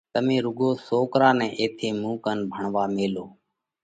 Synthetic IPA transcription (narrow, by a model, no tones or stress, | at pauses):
t̪əmẽːɾʊɠoːsoːkɾaːnɛ̃ːʔeːt̪ʰeːmũːkənbʱəɳʋaːmeːloː